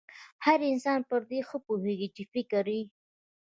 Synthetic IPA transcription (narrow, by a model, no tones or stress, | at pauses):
haɾɪnsɑnpəɾd̪exəpoheɡit͡ʃɪfɪkɾi